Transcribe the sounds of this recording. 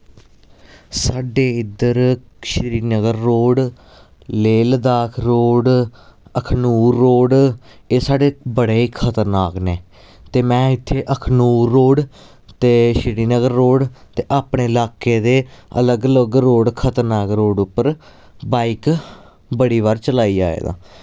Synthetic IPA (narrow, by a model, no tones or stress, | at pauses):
saːɖeːɪd̪əɾ | ʃɪɾiːnəɡəɾːoːɖ | leːld̪aːkʰɾoːɖəkʰnuːɾːoːɖ | eːsaːɖeːbəɽeːkʰət̪əɾnaːkneː | t̪eːmɛ̃ːɪt̪ʰːeːʔəkʰnuːɾːoːɖ | t̪eːʃɪɾiːnəɡəɾːoːɖt̪eːʔaːpɳeːɪlaːkeːd̪eːə̰ləɡələɡɾoːɖkʰət̪əɾnaːkɾoːɖʊpːəɾ | baːik | bəɽiːʋaːɾt͡ʃəlaːiːa̰ːḛːd̪ã̰ː